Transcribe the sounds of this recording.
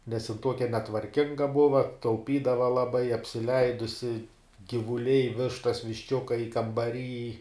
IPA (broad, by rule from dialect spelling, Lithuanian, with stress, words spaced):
nʲɛs jɪn ˈtuɔkʲɛ nʲɛtʋɐrʲˈkʲɪŋɡɐ ˈbʊʋɐ tɐʊˈpʲiːdɐʋɐ lˠɐˈbɐɪ ɐpʲsʲɪˈlʲɛɪdʊsʲɪ ɡʲiːʋʊˈlʲɛɪ ˈʋʲɪʃtɐs ʋʲɪʃʲˈt͡ʃʲʊkɐɪ kɐmbɐˈrʲiːj